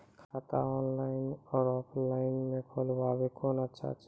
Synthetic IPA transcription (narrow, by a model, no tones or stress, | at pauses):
kʰat̪a̰ɔːnlaɪnɔːɾɔːpʰlaːɪnmẽkʰoːlwaːbekoːnətːʃʰa̰t͡ʃʰ